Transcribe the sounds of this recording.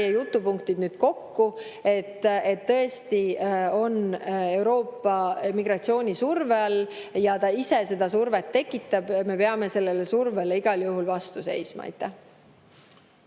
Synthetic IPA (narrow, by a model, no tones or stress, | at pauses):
jejut̪ːˑupuŋk̚t̪id̪nyːd̪̥ko̞kːu | e̞t̪ːe̞t̪ːɤest̪io̞ne̞wɾo̞ːpːˑɑmiɡ̥rɑt̪sio̞ːnʲisurveɑlːjɑt̪ɑise̞se̞d̪ɑsurvet̪ːe̞kːˑit̪ːˑɑb̥me̞peɑme̞se̞lːe̞lesurveleiɡ̥ɑljuɦulvɑst̪use̞̰jsmɑ̰ɑ̰jt̪ːæh